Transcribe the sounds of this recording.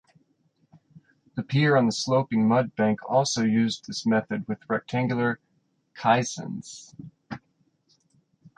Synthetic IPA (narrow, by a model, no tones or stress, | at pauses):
ðɨpʰiɹə̃nðəsloʊpɪ̃ŋmʌd̚bæ̃ŋkʰɔlˠsoʊjʉzðɪsmɛθɨd̚wɨðɹɛk̚tʰæ̃ŋɡjl̩ˠə˞ | kʰaɪsɨ̰̃nz̥